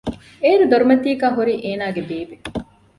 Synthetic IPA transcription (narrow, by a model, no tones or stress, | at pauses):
eːɾud̪oɾumɐt̪iːɡaːɦuɾiːʔeːnaːɡebeːbe